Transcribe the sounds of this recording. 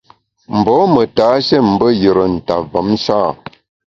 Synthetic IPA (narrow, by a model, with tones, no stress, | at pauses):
m̩˨bɔ˨˦mə˨taː˨˦ʃɛ˦˨m̩˨˦bə˦jə˨ɾə˨n̩˨ta˨və˨˦m̩˦ʃaː˦˨